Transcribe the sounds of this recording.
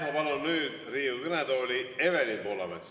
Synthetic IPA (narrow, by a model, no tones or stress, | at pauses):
mɑbɑlunyːd̪̥riːukɯned̪oːlʲievelʲipoːlɑ̰vet̪s